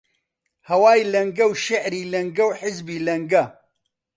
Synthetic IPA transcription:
hɐwaːjlɐŋɡɐwʃɐʕɾiːlɐŋɡɐwħɪzbiːlɐŋɡɐ

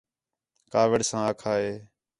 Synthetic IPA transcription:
kaːʋəɽsãːaːkʰaːɦeː

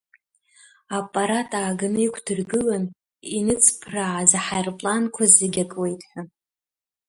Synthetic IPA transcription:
apʼːaɾatʼaːɡanɨikʷʰdɨrɡɨlan | inɨt͡sʰʼpʰraʕazaħajrpʼlankʷʰazɨɡʲakʼwe̞jtʼħʷa

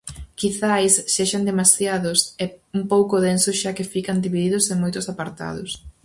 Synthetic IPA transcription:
kiθajsːeʃand̪emasjaðʊsɛumpowkʊðensoʃakɪfikand̪iβiðiðʊseŋmojt̪ʊsapaɾt̪a̰ðʊs

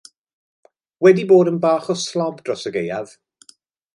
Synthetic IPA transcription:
wɛdiboːdənbaːχɔslˠɔbd̥rɔsəɡejað̥

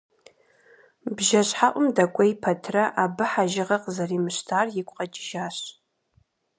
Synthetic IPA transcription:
bʒɐɕħaʔʷʊmdɐkʷʼɔjpʰɐtʰrɐʔabɨħaʒɪʁɐqzɐriːmɨɕtʰaːrjɪkʷʼqʼɐt͡ʃʼɪʒaːɕ

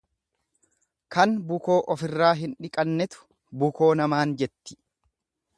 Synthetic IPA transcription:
kɐnbʊko̞ːʔɔfɪrːaːɦɪnᶑɪkʼɐnːɛt̪ʊ̥ | bʊko̞ːnɐmaːnd͡ʒɛt̪ːɪ̥

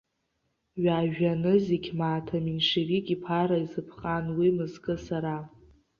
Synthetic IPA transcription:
ɥaːʒᶣanɨziɡʲmaːtʰaminʂirikʲʼipʰaɾaizɨpʰχʼanwimɨzkʼɨsaɾa

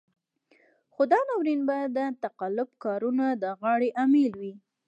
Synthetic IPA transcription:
xod̪ɑnɑwɾinbad̪ət̪aqalʊb̚kɑɾunad̪əɣɑɽeʔamelwi

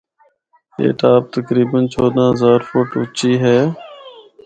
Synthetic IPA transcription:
ḛːʈaːp̚t̪əkɾiːbənt͡ʃʰɔːd̪ãːɦəzaːɾfʊʈʊt͡ʃiːɦɛː

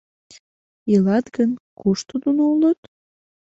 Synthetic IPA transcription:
ilɑt̪ɡənkuʃt̪ud̪unoulət̪

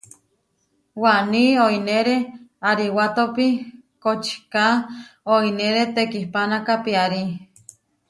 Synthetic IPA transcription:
waʔnioineɾeaɾiwat̪opikot͡ʃi̥kaoineɾet̪ekihpanakapiaɾi

